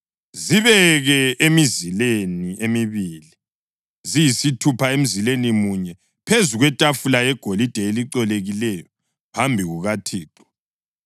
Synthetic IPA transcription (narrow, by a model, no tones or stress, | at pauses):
ziβɛɣɛʔemizileniemiβili | zijisitʰupʰaem̩zilenimuɲɛ | pʰezuɣwɛtʼafulajɛɡ̥ʱolid̥ʱɛeliǀɔleɣilɛjɔ | pʰambʱiɣuɣatʰiːǃɔ̥